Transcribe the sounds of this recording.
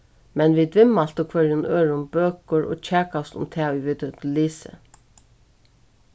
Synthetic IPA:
mɛnʋɪd̪ʋɪmal̥t̪ɔkʰʋœɹjʊnøːɹʊmbøːkəɹʔo̰ːt͡ɕʰæːkast̪ʊ̰mt̪ʰɛːʊjʋɪd̪ət̪liːsə̰

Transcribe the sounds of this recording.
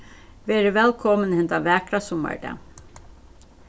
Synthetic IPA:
ʋeːɾəʋɛlkʰɔmənhɛnt̪aʋɛːkɾasʊma̰ɹd̪ɛ̰

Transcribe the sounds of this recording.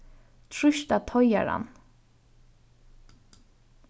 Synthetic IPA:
t̪ʰɹʏʃt̪ɑt̪ʰɔʏə̰ɹɑ̰n

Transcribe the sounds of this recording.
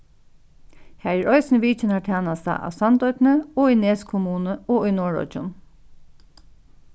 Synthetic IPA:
hæːɹæɹʔɔʏsnʋiːt͡ʃɪnaʈʰæːnast̪a̰ʔa̰ʋsɑnt̪ɔʏt̪nəoːineːskʰʊmuːnəɔːujnɔːɹɔ̰t͡ʃʊ̰n

